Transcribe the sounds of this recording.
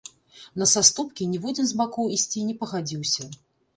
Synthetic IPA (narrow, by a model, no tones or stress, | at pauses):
nɐsast̪upkʲinʲɛvud͡zʲɛnzbakuwisʲt͡sʲinʲɛpɐɣad͡zʲiwsʲɐ